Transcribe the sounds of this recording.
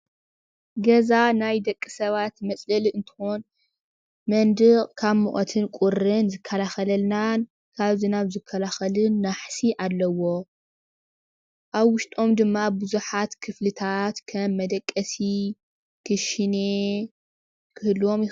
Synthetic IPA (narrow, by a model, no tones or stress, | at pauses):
ɡɐzanajd̪ɐkʼːɨsɐβat̪mɐsʼlɐliɨnt̪ʰɨ̥xon | mɐnd̪ɨkʼkʰaβmuʔʼot̪ʰɨnkʷʼʊɾɨnzɨkʰːɐlaxɐlɐlnan | kʰaβzɨnaβzɨkʰːɐlaxɐlɨnːaħsiʔalːɐwo̞ | ʔaβwʊʃt̪ʼo̞md̪ɨmːabuzuħat̪kʰɨflɨt̪ʰat̪kʰɐmːɐd̪ɐkʼːɐsi | kʰɨʃɨne | kʰɨhlo̞mjɪ